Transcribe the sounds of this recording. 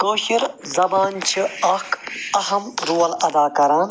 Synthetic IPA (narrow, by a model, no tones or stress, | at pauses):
koːɕiɾzɐbaːnt͡ʃʰiɐkɐɦɐmɾuːɐlɐd̪aːkɐɾãːn